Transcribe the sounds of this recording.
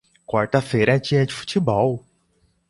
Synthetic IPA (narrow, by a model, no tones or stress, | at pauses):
kwaɾt̪ɐfejɾɐt͡ʃĩɐ̃d͡ʒifu̥t͡ʃibɔw